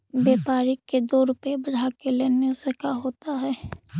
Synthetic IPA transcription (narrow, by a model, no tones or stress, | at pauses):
beːpaːɾiked̪oːɾʊpebɐɽ̤akeleːnesekaɦoːt̪aɦɛː